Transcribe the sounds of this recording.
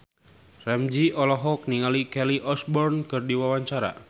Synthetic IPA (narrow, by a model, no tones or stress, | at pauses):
rɛmd͡ʒiʔɔlɔɦɔk̚niŋalikɛliʔɔsbɔrnkɨrdiwawaɲt͡ʃaɾa̰